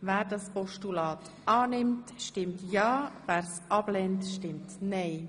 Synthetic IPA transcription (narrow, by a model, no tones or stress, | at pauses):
vɛːɾdɑspɔʃtulɑːt | ʔɑːnɪmtʃtɪmtjɑːvɛːɾsʔɑb̥lɛntʃtɪmtnɛɪ